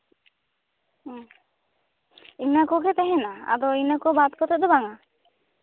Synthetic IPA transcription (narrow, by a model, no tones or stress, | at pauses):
inakokʰet̪ɛɦenaa̰d̪oinakobat̪kɔt̪ʰed̪obaŋa